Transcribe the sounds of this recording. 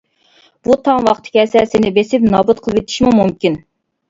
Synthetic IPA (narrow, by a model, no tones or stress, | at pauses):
b̥ut̪ʰɑŋwɑqt̪ʰɪ̥kʲɛːsɛsɪnɪbesɪpnɑːbut̪̚qʰəlˠʋet̪ʰi̥ʃmumumkʲin